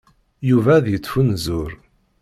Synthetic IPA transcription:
juvæðjət͡sːfunzʊɾ

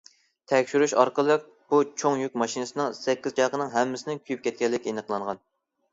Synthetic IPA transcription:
t̪ʰɛkʲʃyɾyʃɑɾqəlˠəq̚ | b̥ut͡ʃʰoŋjykʲmɑʃinɨsɨnɨŋsɛkʲːiz̥t͡ʃʰɑjqənɨŋɦɛmːɪsɪnɪnkʲʰyjyp̚kʲɛt̪̚kʲɛlːɪkʲenəqlˠɑɴʁɑn

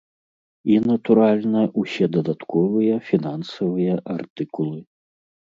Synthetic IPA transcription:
inɐt̪uɾalʲnɐʔusʲɛd̪ɐd̪at̪kʰɔvɨjɐfʲinansɐvɨjɐʔart̪ɨkulˠɨ

